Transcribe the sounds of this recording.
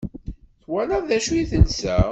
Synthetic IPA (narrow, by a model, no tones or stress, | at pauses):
θwænæðæʃujiθənsæ